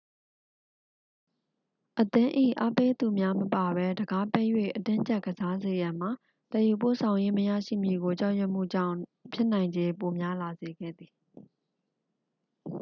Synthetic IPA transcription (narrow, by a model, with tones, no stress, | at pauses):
ʔət̪ɪ̃˦ʔḭ˦˨ʔa˦pe˦d̪u˨mja˦məpa˨bɛ˦dəɡa˦pɛ˦jwḛ˦˨ʔətɪ̃˦ɲt͡ɕɛ˦ʔɡəza˦ze˨jã˨m̥a˨ | tɛ˨ju˨po̰˦˨sʰã˨ʊ̃je˦məja̰˦˨ʃḭ˦˨mji˨ɡo˨t͡ɕa˦ʊʔjɛ˦ʔm̥ṵ˦˨d͡ʑã̰˦˨ʊ̃pʰjɪ˦ʔn̥ã˨ɪ̃ɲd͡ʑe˦po˨mja˦la˨ze˨ɡɛ̰˦˨d̪ði˨